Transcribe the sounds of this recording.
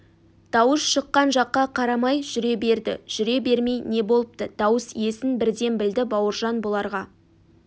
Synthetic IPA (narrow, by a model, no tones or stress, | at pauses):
d̪̥ɑwəsʃəqːɑnʒɑqːɑqʰɑɾɑmɑjʒʏɾe̞be̞ɾd̪ɪ̰ʒ̥ʏɾe̞be̞ɾmejne̞bo̞lˠəp̚t̪əd̪̥ɑwəsie̞sɪnbɪɾd̪e̞nbɪld̪ɪbɑwəɾʒɑnbolˠɑɾʁɑ